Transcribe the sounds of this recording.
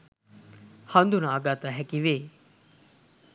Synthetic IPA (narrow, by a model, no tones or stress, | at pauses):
hɐnd̪unaːɡaːt̪aɦɛkiʋeː